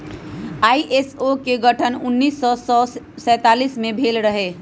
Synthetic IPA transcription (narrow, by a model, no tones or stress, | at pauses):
aːiʔesokeɡəʈʰənʊnːiːsːɔsɔ | sɛ̃ːt̪aːliːsmẽbʱeːlɾəɦeː